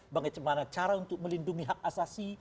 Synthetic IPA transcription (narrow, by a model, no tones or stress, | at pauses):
baŋat͡ʃəmanat͡ʃaɾaunt̪ʊk̚məlinduŋiɦak̚asasi